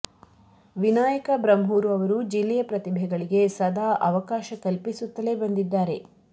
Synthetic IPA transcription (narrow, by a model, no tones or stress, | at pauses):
ʋinaːjɐkɐbɾɐmɦuːɾuɐʋɐɾud͡ʒilːɛjɐpɾɐt̪ibʱɛɡɐɭiɡe̞sɐd̪ʱaːʔɐʋɐkaːʃɐkɐlpisut̪ːɐle̞bɐnd̪id̪ːaːɾe̞